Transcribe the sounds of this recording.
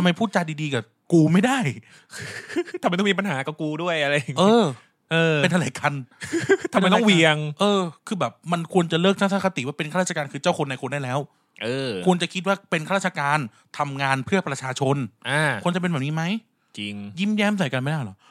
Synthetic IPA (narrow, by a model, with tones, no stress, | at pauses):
t̪ʰa˧mːa˧jpʰuː˥˩t̪̚t͡ɕa˧diː˧diː˧kaː˨˩ | kuː˧ma˥˩jda˥˩j | kʰːt̪ʰa˨ma˧˦t̪ɔ˥˨miː˧pa˧nɦaː˩˦kɔ˧˩kuː˧du˥˩əjʔa˧ɾa˧ji˨˩ŋʔɤː˦˧ | ʔɤː˧pe˧t̪ʰa˧la˨˩˦jka˧nt̪ʰaː˨˧m˧˦jt̪ɔ˦˥˩ŋwi˧əŋʔɤː˧kʰɯː˧bɛː˨˩p̚ma˧nkʰu˧ənt͡ɕa˨˩lɤː˥˩k̚t͡ɕʰa˥˩saː˦˥˩a˧t̪i˨˩˦waː˥˩pe˧nkʰa˥˩a˥˩t͡ɕa˧aː˧nkʰɯː˧t͡ɕaː˥˩wkʰo˧nːa˧kʰo˧ndaː˥˩jlɛː˦˥˩w | ʔɤː˧kkʰu˧ənt͡ɕa˨˩kʰi˦˥t̪̚waː˥˩pe˧nkʰaː˥ɾaː˥t̚t͡ɕʰa˧kaː˧n | t̪ʰa˧mŋaː˧npʰɯ˥˩əpɾa˧t͡ɕʰaː˧t͡ɕʰo˧nʔaː˧˩u˧ənt͡ɕa˨˩pe˧nbɛ˨˩niː˦˥ma˦˥j | t͡ɕi˧ŋji˥˩mjɛː˦˥˩ms̬a˨˩˦jka˧nma˥˩jda˥˩jlɔ˨˦